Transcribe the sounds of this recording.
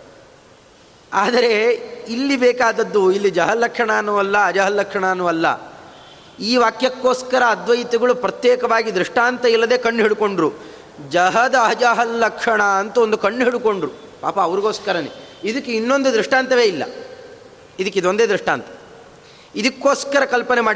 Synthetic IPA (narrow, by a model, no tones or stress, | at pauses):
aːd̪ɐɾe̞ilːibeːkaːd̪ɐd̪ːuilːid͡ʒɐɦɐlɐkʂɐɳaːnːuʋɐlːɐːd͡ʒaːɦɐlːɐkʂɐɳɐːnːuʋɐlːɐ̰ | iːʋaːkjɐkːo̞ːskɐɾɐːd̪ʋɐjit̪iɡɐɭupɾɐt̪jeːkɐʋaːɡid̪ɾiʂʈaːnt̪ɐilːɐd̪e̞ːkɐɳːɦiɽuko̞ɳɖɾu | d͡ʒɐɦɐd̪ɐɐd͡ʒaɦɐllɐkʂɐɳɐɐnt̪ɐond̪ukɐɳːɦiɽuko̞ɳɖɾu | pa̰ːpɐːʋɐɾiɡo̞ːskɐɾɐnḛid̪ɐkːeinːo̞nd̪ud̪ɾiʂʈaːnt̪ɐʋe̞ːilːɐ̰ | id̪ikːeid̪o̞nd̪e̞ːd̪ɾiʂʈa̰ːnt̪ɐ̥ | id̪ɐkːo̞ːskɐɾɐkɐlpɐne̞maːɽi